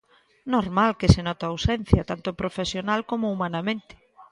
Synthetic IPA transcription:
noɾmalkɪsenɔt̪aawsɛn̟θjɐt̪ant̪ʊpɾofesjonalkomoumanamẽnt̪ɪ̥

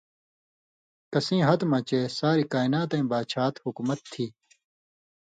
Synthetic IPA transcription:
kɐsĩːɦɐt̪mɐ̃t͡ɕeːsaːɾikaːinaːt̪ẽĩːbaːt͡ɕʰaːt̪hukumɐt̪ʰːiː

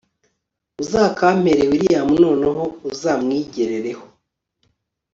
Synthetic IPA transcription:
uzaːkaːm̥heɾewiɾijamuno̞ːnaɦo̞uzaːmŋiːɟe̞ɾe̞ɾe̞ho̥

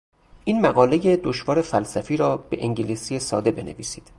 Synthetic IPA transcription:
ʔiːnmæɣɒːle̞jed̪oʃvɒːɾe̞fælsæfiːɾɒːbe̞ʔeŋɟilisije̞sɒːd̪e̞be̞nḛviːsiːd̪̥

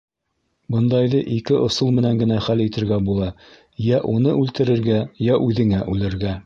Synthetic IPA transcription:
bɤ̆nd̪ɑjðɤʔikɘʔŏsɤlˠmɘ̆næŋɡɘ̆næχælit̪ɘ̆ɾɡæbulˠɑ | jæʔunɤʔʉlt̪ɘ̆ɾɘ̆ɾɡæjæʔʉðɘ̆ŋæʔʉlɘ̆ɾɡæ

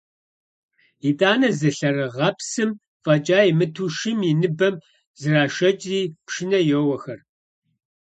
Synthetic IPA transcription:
itʼaːnɐzɨɬɐrɨʁɐpsɨm | fʼɐt͡ʃʼaːjmɨtʰuʃɪminɨbɐm | zɨraːʃɐt͡ʃʼriːpʃɪnɐjowɐxɐr

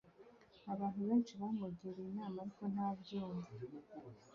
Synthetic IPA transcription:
aβaːn̥huβe̞ːnʃiβamuɡiɾiːnɲaːmaɾiko̞nhaːvɟuːmvi

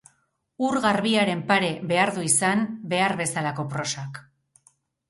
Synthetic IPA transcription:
uɾɣaɾβiaɾe̞mpaɾe̞βe̞aɾðuisambe̞aɾβe̞salako̞pɾo̞sak

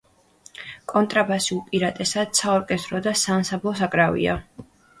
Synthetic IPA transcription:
kʼɔnt̪ʼɾabasiulˠpʼiɾat̪ʼɛsad̪̥sʰaɔɾkʼɛst̪ʼɾɔd̪asaːmsablˠɔs̬akʼɾavḭa̰

